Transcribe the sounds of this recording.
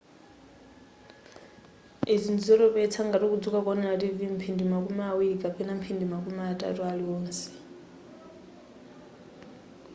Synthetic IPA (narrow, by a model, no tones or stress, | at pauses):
izind͡zizɔtɔpɛt͡sʰaŋɡatikud͡zukakɔnɛɺativim̩pʰindimakʼumɛawiɺikʼapʰɛnam̩pʰindimakumɛatʼa̰tualiɔːnsɛ̥